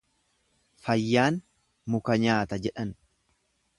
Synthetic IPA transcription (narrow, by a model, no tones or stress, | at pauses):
fɐjːaːn | mʊkɐɲaːt̪ɐd͡ʒɛᶑɐn